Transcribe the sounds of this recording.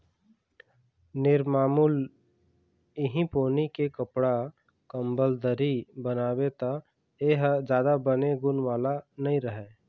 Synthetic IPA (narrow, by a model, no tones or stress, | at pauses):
nɪɾmaːmul | ɪɦĩpoːnikekəpɽa | kəmbəld̪əɾibənaːwet̪a | eɦd͡ʒjaːd̪abəneɡʊnʋaːlanəĩɾəɦeː